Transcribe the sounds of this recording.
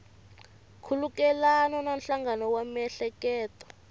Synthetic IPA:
kʰulukɛlanɔnanɬaŋɡanɔwamɛɬɛkɛːtɔ̥

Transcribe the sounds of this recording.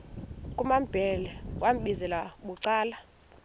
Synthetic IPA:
kʼumamb̥ʱɛlɛk̬ʼwam̩ɓizɛlaɓuǀaːla

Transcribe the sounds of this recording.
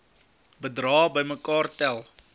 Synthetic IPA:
bədrɑːbəjməkɑːrtɛlˠ

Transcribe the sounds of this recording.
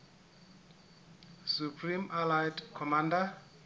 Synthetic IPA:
supʰrimalajtkʰɔmanda

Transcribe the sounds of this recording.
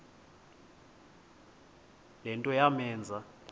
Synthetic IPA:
lɛntʼɔjamɛːnd͡zʱa

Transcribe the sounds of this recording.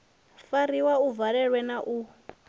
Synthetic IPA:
faɾiwauvaɺɛɺwɛnaʔu

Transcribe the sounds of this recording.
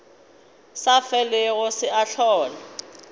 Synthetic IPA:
safɛlɪɣʊsɪaɬɔːla

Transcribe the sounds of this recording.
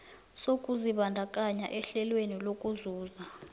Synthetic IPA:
sokʼuziɓandʱakʼaɲa̰ʔɛɬɛlwenilokʼuzuːza

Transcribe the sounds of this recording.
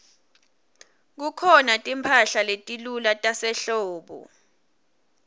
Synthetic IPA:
k̬ukʰɔnatʼimpʰaɬaletʼilulatʼasɛɬɔːɓɔ̰

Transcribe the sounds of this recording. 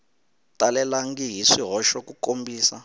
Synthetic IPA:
talɛlaŋɡiɦiʂiɦɔʃɔkukombiːsa

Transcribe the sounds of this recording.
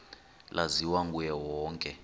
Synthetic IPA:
lʔaziwaŋɡʼujɛwɔːŋkʼɛ

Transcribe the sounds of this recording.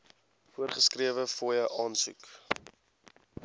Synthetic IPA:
fuərχəskriəvəfojəʔɑːnsṵk

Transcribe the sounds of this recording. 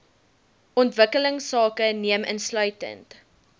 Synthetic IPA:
ʔɔntvəkələŋsɑːkəniəmʔə̰nslœɥtə̰nt

